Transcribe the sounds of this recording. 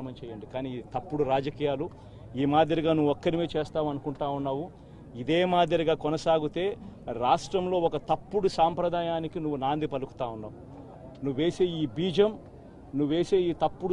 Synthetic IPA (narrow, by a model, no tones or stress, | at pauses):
ɐmɐmt͡ʃɛːjɐɳɖikaːnit̪ɐpːuɽuɾaːd͡ʒɐkiːjaːlu | iːmaːd̪jɐɾiɡaːnuʋuɔkːɐɾimeːt͡ʃeːst̪aːmɐnukuɳʈaːunːaːʋu | id̪e̞ːmaːd̪jɐɾiɡaːkɔnɐsaːɡut̪e̞ːɾaːʂʈɾɐmlo̞ːɔkɐt̪ɐpːuɽusaːmpɾɐd̪aːjaːnikinuʋːunaːnd̪ipɐluku̥t̪aːunːaː | nuʋeːseːiːbiːd͡ʒɐm | nuʋːe̞ːseːiːt̪ɐpːuɽ